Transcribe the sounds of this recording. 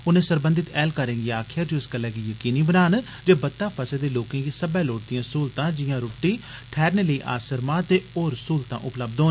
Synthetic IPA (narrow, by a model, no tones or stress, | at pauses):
ʊnẽːsəɾbə̃nd̪ɪt̪ɛːlkəɾẽːɡiaːkʰɪjaːd͡ʒiʊskəlːɛːɡiːjəkiːniːbənaːn | d͡ʒeːbət̪ːaːpʰəseːd̪eːloːkẽːɡiːsəbɛːloːʈd̪ijãːsuːlt̪ãːd͡ʒɪjãːɾʊːʈːiːʈʰɛːɾneːləiːʔa̰ːsəɾmãːt̪eːoːɾəsuːlt̪ã̰ːʔʊpləbd̪oː